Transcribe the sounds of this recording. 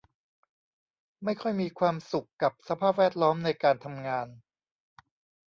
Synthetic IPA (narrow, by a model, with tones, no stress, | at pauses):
ma˥˩jkʰɔ˥˩jmiː˧kʰwaː˧msu˨˩kːa˨˩p̚sa˧pʰaː˥˩p̚wɛː˥˩t̪̚lɔː˦˥mna˧jkaː˧nt̪ʰa˧mŋaː˧n